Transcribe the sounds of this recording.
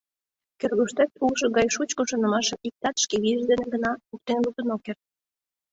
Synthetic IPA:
kørɣuʃt̪et̪̚ulʃɤ̆ɡɑjʃut͡ɕkŏʃonə̆mɑʃə̆mik̚t̪ɑt̪ʃkeβiəʒd̪eneɡənɑuk̚t̪enluk̚t̪ənokert̪̚

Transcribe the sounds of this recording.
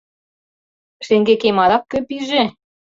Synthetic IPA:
ʃeŋɡekemɑlɑkːø̆piʒe

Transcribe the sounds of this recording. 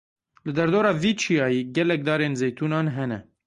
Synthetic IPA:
lɨd̪ɛɾd̪oːɾɑːviːt͡ʃʰijɑːjiːɡɛlɛk̚d̪ɑːɾeːnzeːjt̪ʰuːnɑːnɦɛnɛ̰

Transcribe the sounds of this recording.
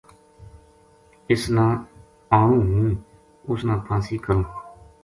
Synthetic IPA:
ɪsnãː | aːɳ̃ũːɦũː | ʊsnãːpʰãːsiːkəɾõː

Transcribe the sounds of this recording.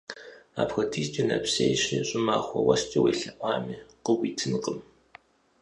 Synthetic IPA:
a̰ːpxɐtʰiːstʼinɐpseːjɕɪɕʼɪmaːχʷɔwɐst͡ʃʼɐweːɬɐʔʷɑːmiːqəwiːtʰɨnqʼəm

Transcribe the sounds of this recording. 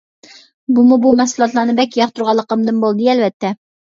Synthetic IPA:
bumubumɛsulˠɑt̪lˠɑnɨbɛkʲːjɑχt̪uɾʁɑlˠːəqəmd̪ɨnbolˠd̪ɨɛlvɛt̪ʰːɛ

